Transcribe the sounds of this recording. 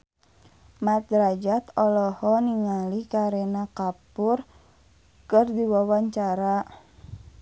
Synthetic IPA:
mat̪̚ɾad͡ʒat̪ɔlɔhɔniŋalikaɾɛnakapʊr | kɨrdiwawaɲt͡ʃaɾa

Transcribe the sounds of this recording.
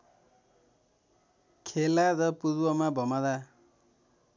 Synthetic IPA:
kʰelaɾʌpuɾwʌmabʱʌmad̪a

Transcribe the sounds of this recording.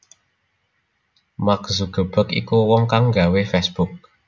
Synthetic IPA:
mak̚zuɡ̥ə̤b̥ə̤kḭkuwɔŋkaŋɡa̤wefɛsb̥uk̚

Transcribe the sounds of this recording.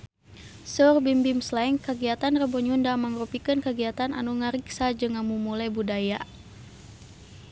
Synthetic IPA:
sɔrbimbimslaŋkəɡiat̪anrəbɔɲundaməŋrupikɨnkəɡiat̪ana̰nuŋəɾiksad͡ʒɨŋamumulajbudaja

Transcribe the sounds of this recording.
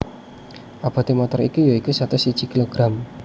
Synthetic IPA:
ʔab̥a̤t̪emɔt̪ɔɾḭkujaikusat̪ʊsi̥t͡ʃi̤kiloɡ̥ɾam

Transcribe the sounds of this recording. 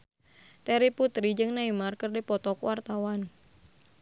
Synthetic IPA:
t̪ɛɾiput̪ɾid͡ʒɨŋnaimarkɨrdipɔt̪ɔkwart̪awan

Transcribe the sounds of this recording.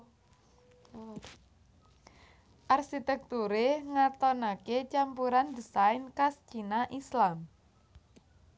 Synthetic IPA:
ʔarʃit̪ɛk̚t̪uɾeŋat̪ɔnaket͡ʃampuɾand̪isainkast͡ʃinaʔislam

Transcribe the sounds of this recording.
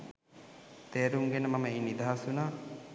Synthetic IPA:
t̪eːɾuŋɡenəmaməiːnid̪aɦasunaː

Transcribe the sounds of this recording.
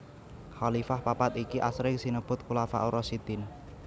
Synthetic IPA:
xalifahpapat̪ikiʔasɾɪŋsinəb̥ʊt̪̚kulafa̰ʔuɾɔsit̪ɪn

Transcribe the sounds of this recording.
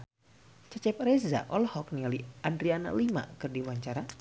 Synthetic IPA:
t͡ʃɛt͡ʃɛp̚rɛza̰ʔɔlhɔk̚nialiandɾiana̰lima̰kɨrdiwaɲt͡ʃaɾa

